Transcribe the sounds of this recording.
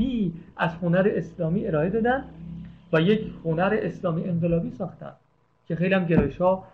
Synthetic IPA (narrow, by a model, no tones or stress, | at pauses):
iʔæzhonæɾeʔeslɒːmiːe̞ɾɒːe̞d̪ɒːd̪ænd̪væjecʰhonæɾeʔeslɒːmiʔe̞ŋɢelɒːbiːsɒːxt̪æ̰nd̪̥ | cʰe̞xejliæmɟeɾjeʃhɒː